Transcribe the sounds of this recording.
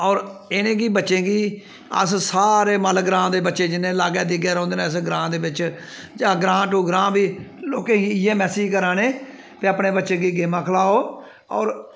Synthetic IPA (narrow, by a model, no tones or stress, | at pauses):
ɔːɾenẽːɡiːbətːʃẽːɡiː | ə̰ssaːɾeːməlɡɾãːd̪eːbətːʃeːd͡ʒɪnẽːlaːɡɛːd̪iːɡɛːɾɔ̃ːnd̪eːnaːsɡɾãːd̪eːbɪt͡ʃ | d͡ʒãːɡɾãːʈuːɡɾãːbiːloːkẽːɡiːɪːẽːmɛːsiːd͡ʒkəɾaːneː | peːaːpneːbətːʃẽːɡiːɡeːmãːkʰəlaːoː | ɔ̰ːɾ